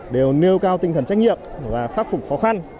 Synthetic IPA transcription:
ɗe˨˩wni˧əwkaː˧wt̪ï˧ŋ̟t̪ə˧˩nt͡ɕa˦˥jk̚ŋi˨əp̚vaː˨˩faː˦˥t̚fʊ˨˩k͡p̚xɔ˨˦xa˧n

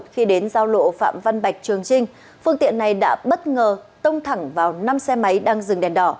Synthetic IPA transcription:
t̚xi˧ɗe˨˦nzaː˧wlo̰˧˨fa̰ː˧˨mva˧nɓa˨˩jk̟̚t͡ɕɨ˨˩əŋt͡ɕï˧ŋ̟ | fɨ˧əŋt̪ḭ˧˨ənːa˨˩jɗa̰ː˧˥ɓə˦˥t̚ŋəː˨˩t̪ə˧wŋ͡mt̪ʰa˧˩ŋvaː˨˩wna˧msɛ˧ma˨˦jɗaː˧ŋzɨ˨˩ŋɗɛ˨˩nɗɔ˧˩

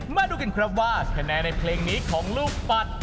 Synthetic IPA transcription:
ma˥˩duː˧ka˧nkʰɾɔ˦˥waː˥˩kʰa˧nɛː˧na˧jpʰleː˧ŋniː˦˥kʰɔː˩˦ŋluː˥˩k̚pa˨˦˩t̪̚

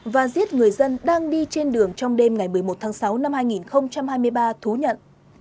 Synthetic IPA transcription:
vaː˨˩zi˦˥ət̚ŋɨ˨˩əjzə˧nɗaː˧ŋɗi˧t͡ɕe˧nɗɨ˨˩əŋt͡ɕɔ˧wŋ͡mɗe˧mŋa˨˩jmɨ˨˩əjmo˨˩t̚t̪ʰaː˨˦ŋsa˨˦wna˧mhaː˧jŋi˨˩nxə˧wŋ͡mt͡ɕa˧mhaː˧jmɨ˧əjɓaː˧t̪ʰu˨˦ɲə̰˧˨n

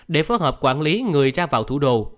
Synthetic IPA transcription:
ɗe˧˩fo˨˦jɦəː˨˩p̚kwaː˧˩nli˨˦ŋɨ˨˩əjzaː˧vaː˨˩wt̪ʰu˧˩ɗo̰˧˨

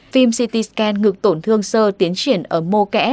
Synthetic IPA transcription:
fi˧msi˧t̪i˧skɛ˧nŋɨ˨˩k̚t̪o˧˩nt̪ʰɨ˧əŋsəː˧t̪i˨˦ənt͡ɕwi˧˩ənʔəː˧˩mo˧kɛ̰˧˥

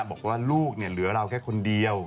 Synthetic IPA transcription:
ɓɔ˨˩kwaː˧lu˦˩k̚nɛ˨˩lɨ˨˦əlaː˧wkaː˨˦˥kʰo˧nɗi˨˧əw

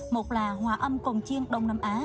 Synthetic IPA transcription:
mo˨˩t̚laː˨˩ɦwaː˨˩ʔə˧mko˨˩ŋ͡mt͡ɕi˧əŋɗə˧wŋ͡mnaː˧mʔaː˨˦

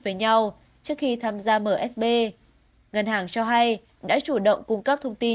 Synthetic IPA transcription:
vəː˨˦jɲa˧w | t͡ɕɨ˦˥əkxi˧t̪ʰaː˧mzaː˧məː˧˩ʔɛ˦˥s̚ɓe˧ | ŋə˨˩nhɦaː˨˩ŋt͡ɕɔ˧ɦa˧j | ɗa̰ː˧˥t͡ɕu˧˩ɗə̰˧˨wŋ͡mkʊ˧ŋ͡mkə˦˥p̚t̪ʰə˧wŋ͡mt̪i˧

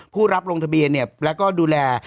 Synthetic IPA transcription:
pʰuː˥˩ɾa˦˥p̚ɾo˧ŋt̪ʰa˧bi˧ənːi˥˩əlɛː˦˥wkɔː˥˩duː˧lɛː˧

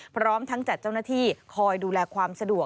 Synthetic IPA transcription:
pʰɾɔː˦˥mt̪ʰa˦˥ŋt͡ɕa˨˩t̪̚t͡ɕa˥˩wnaː˥˩t̪ʰiː˥˩kʰɔː˧jduː˧lɛː˧kʰwaː˧msa˧du˨˩ə

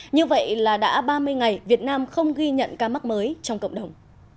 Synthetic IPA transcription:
ɲɨ˧və̰˧˨jlaː˨˩ɗa̰ː˧˥ɓaː˧mɨ˧əjŋa˨˩jvi˨˩ət̚naː˧mxə˧wŋ͡mɣi˧ɲə̰˧˨nkaː˧ma˦˥k̚məː˨˦jt͡ɕɔ˧wŋ͡mkə̰˧˨ŋ͡mɗə˨˩wŋ͡m

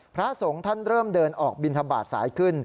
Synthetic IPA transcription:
pʰɾa˦˥so˩˦ŋt̪ʰa˥˩nɾɤː˥˩mdɤː˧nʔɔː˨˩k̚bi˧nt̪ʰa˧ba̰ː˨˩t̪̚sa̰ː˩˦jkʰɯ˥˩n

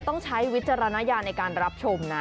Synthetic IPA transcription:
t̪ɔ˥˩ŋt͡ɕʰa˦˥jwi˦˥t̪̚t͡ɕa˧ɾa˧na˦˥jaː˧nːa˧jkaː˧nɾa˦˥p̚t͡ɕʰo˧mna˦˥

